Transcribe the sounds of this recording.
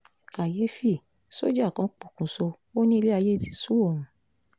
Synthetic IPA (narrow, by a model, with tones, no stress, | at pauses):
ka˨je˨˦fi˦˨ | so̰˦d͡ʒa˦˨kã˧˦k͡pɔ˨kũ˨so˧ | o˦nĩ˦i˧le˦a˧je˦i˦˨ti˨˧su˦o˦˨ɾũ˨˦